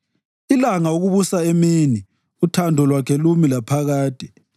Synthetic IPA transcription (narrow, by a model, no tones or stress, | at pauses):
ilaŋaoɣuβusaemini | utʰandʱɔlwakʰɛlumilapʰaɣaːtʼɛ̥